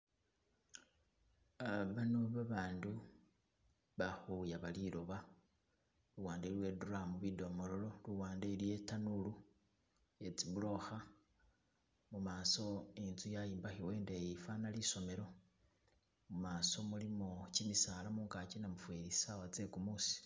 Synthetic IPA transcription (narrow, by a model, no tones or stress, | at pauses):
aβanoβaβaːndu | βaxujaβalilo̞βa | luwaːndelwe̞duramuβido̞mo̞lo̞lo̞luwaːndailijetanulu | et͡siβulo̞xa | mumaːso̞inzujajiːmbaxiwe̞ːndejifanaliso̞me̞ɾo̞ | mumaːso̞mulimocimisalamuːŋkacinamufweɾisawat͡se̞kumusi̥